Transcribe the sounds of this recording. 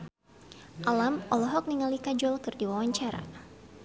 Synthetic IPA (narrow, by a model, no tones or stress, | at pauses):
ʔalamʔɔlɔɦɔk̚niŋalikad͡ʒɔlkɨrdiwawaɲt͡ʃaɾa̰